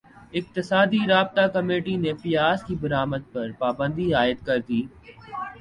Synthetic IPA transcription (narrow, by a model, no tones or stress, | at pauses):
ɪk̚t̪ɪsaːd̪iɾaːb̚t̪akɐmeːʈinepɪjaːzkibɐɾaːməd̪̚pɐɾpaːbə̃nd̪iaːɪd̪̚kɐɾd̪iː